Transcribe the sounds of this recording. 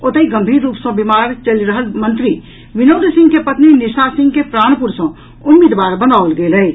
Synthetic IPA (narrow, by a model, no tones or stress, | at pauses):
ot̪əiɡəmbʱiɾːuːpsə̃bimaɾt͡ʃəliɾəɦəlmənt̪ɾi | ʋinowd̪sĩŋɡkepət̪ninisasĩŋɡkepɾaːnpuɾsə̃ | umːid̪ʋaɾbənaəlɡeləj